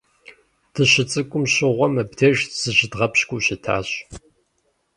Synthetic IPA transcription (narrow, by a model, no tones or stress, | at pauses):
d̥ʰɨɕɪt͡sʼɨkʷʼʊmɕɪʁʷɔmɐbtʰeːʒtʰz̥ɨʑɪdʁɐpɕkʷʼuɕɪtʰa̰ːɕ